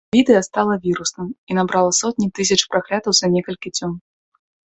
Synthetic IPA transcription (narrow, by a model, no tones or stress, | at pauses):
vʲid̪ɨjɐst̪alˠɐvʲiɾusnɐminabɾalˠɐsɔt̪ʲnʲit̪ɨs̬ʲɐt͡ʂpɾaklʲat̪ɐwzɐnʲɛkɐlʲkʲit͡sʲɔm